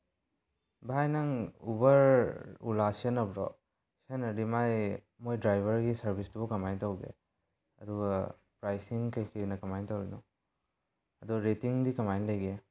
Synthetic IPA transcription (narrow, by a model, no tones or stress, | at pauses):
bajnaŋṵbɐɾṵlasenɐbɾɔ̰ | senɐdimaj | mojdɾajbʱɐɾɡisɐɾbʱistʰubukɐmajntawɡḛ | ɐduɡa | pɾajsiŋkajkʰiɾinɐkɐmajntawɾinɔ | ɐduɾetiŋdikɐmajnlajɡe